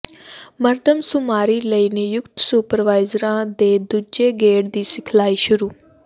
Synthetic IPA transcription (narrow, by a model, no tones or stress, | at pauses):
məɾd̪ʱəmsʊmaːɾiːləiːnejʊkt̪suːpəɾʋaːɪzɾãːd̪eːd̪ud͡ʒeɡeːɽd̪iːsɪkʰlaːiʃʊɾuː